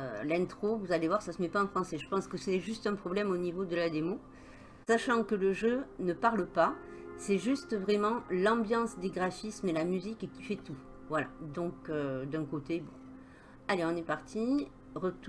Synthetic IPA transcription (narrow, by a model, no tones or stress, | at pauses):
ø̰lɛ̃t̪χovuzalevwaʁsasəmɛpaɑ̃fχɑ̃sɛʒəpɑ̃skəsɛʒyst̪ɛ̃pχɔblɛmonivod̪əlad̪emo | saʃɑ̃kələʒønəpaʁləpasɛʒyst̪vʁɛmɑ̃lɑ̃bjɑ̃sd̪eɡʁafismelamyzikekʲi̥fɛt̪u | vwala̰d̪ɔ̃kød̪ɛ̃kot̪ebɔ̃ | aleɔ̃nɛpaʁt̪ʰi | ʁət̪